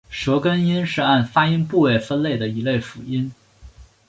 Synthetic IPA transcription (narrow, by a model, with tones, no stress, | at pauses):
ʂɤ˧˥kə˥ni˥nʂɻ̩˥˧a˥˩nfa˥i˥ŋpu˥˩we˥˩ɪfə˥nle˥˩ɪd̪ə˩i˧˥le˥˩ɪfu˨˧˩i˥n